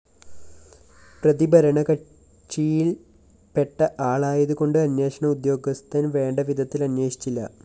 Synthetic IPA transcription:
prɐðibɐɾɐɳɐkɐ | t͡ɕijil | pe̞ʈːɐʔaːɭaːjɐðuko̞ɳɖɨɐnje̞ːʂɐɳɐud̪jo̞ːɡɐst̪ʰɐnʋe̞ːɳɖɐʋid̪ʱɐt̪ːilɐnjeːʂi̥t͡ɕːilːɐ̰

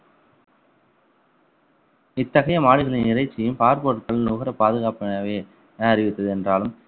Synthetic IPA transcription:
ɪt̪ːɐɣɐjɐmaːɽɪɣɐlɪnɪrɐɪt͡ʃːɪjɯmpaːɾpoːʈkːɐɭnuːɣɐɾɐpaːðɯɣaːpɐɳɐʋeː | ɐrɪʋɪt̪ːɐðɯɛndraːlɯm

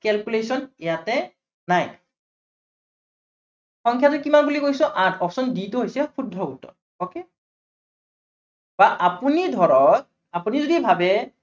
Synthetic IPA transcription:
kɛlkulesɔnɛjatɛ | naj | xɔŋkʰjatʊkimanbulikojsɔ̃ʔatʰɔpsɔnditʊɦojsɛpʰudʱːɔutːɔ̰ɹ | oke | b̥aʔapunidʱɔɹɔt̚ | apunizodibʱabɛ

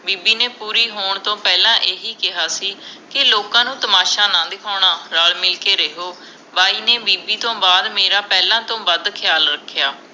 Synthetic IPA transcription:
biːbiːneːpuːɾiːɦoːɳt̪õːpɛːlãːʔeːɦiːkɪɦaːsiːkɪloːkãːnũːt̪əmaːʃaːnãːd̪ɪkʰaːɳaːɾaːlmɪlkeːɾeɦoː | baːiːneːbiːbiːt̪õːbaːd̪meːɾaːpɛːlãːt̪õːbəd̪kʰɪjaːlɾəkʰːɪjaː

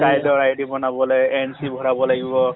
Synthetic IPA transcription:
kajdɔɹajdibɔnabɔlɔjɛnsibʱɔɹabɔlaɡibɔ

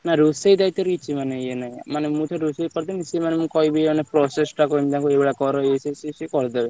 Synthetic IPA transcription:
naɾusejd̪ajt̪eɾkit͡ʃʰimaneenaj̃manemũt̪ʰɔɾusekɔɾd̪enisemanemũkɔibimanepɾɔsesʈakoimt̪ãkuebɽakɔɾɔesʰesisekɔɽd̪ebe

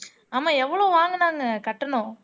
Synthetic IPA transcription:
aːmaːɛʋːɐɭoːʋaːŋɡɐnãːŋɡɐkɐʈːɐnʊ̃ː

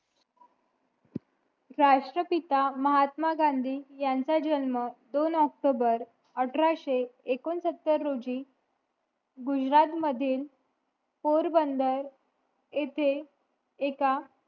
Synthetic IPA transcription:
ɾaʂʈɾəpit̪aməɦat̪maɡãnd̪ʱiːjant͡sad͡ʑənməd̪onɔk̚ʈobəɾ | əʈʰɾaɕeekonsət̪ːəɾːod͡ʑiː | ɡud͡ʑɾat̪məd̪ʱiːl | poɾbənd̪əɾ | et̪ʰeː | ka

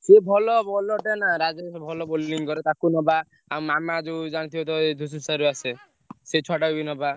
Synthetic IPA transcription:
sebʱɔlɔbɔlɔʈenaɾad͡ʒesɔbʱɔlɔbolːiŋkɔɾet̪akunɔba | aw̃mamad͡ʒewd͡ʒaɽ̃it̪ʰibɔt̪ɔed̪ʱus̬usaɾuase | set͡ʃʰɔʈabinɔba

